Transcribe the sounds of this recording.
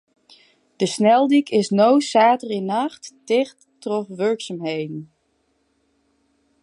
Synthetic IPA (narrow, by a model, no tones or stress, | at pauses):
d̥əsnɛlˠdikʰɪsnowsaːtərinɑxtːɪxttrɔfʋøɹksamɦejdn̩